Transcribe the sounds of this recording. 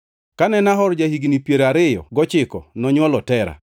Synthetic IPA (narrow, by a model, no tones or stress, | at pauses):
kanɛnaɦɔɾd͡ʒahiɡnipjeɾaɾɪjɔ̰ɡɔt͡ʃɪkɔnɔɲwɔlɔtɛɾa̰